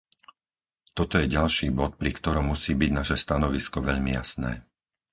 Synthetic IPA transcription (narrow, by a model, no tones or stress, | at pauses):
t̪ɔt̪ɔjɛɟalʃiːbɔt̪̚pɾikt̪ɔɾɔmːusiːbiɟnaʃɛst̪anɔʋiskɔʋɛʎmḭja̰snɛ̰ː